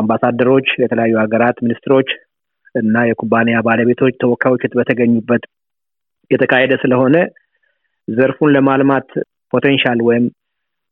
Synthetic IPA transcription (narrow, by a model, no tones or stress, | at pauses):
ambasad̪ːəɾo̞t͡ʃːjɛt̪ʰələjajːuaɡəɾat̪minist̪ɨɾo̞t͡ʃː | ɨnːajɛkʰubːanejabaləβe̞t̪ʰo̞t͡ʃːt̪ʰəwɔkʰːajwot͡ʃːut̪bət̪ʰəɡəɲːubːət̪ | jɛt̪ʰəkʰahed̪əsɨləho̞nə | zəɾfunləmalmat̪ | pʰo̞t̪ʰenʃalwɔjɪm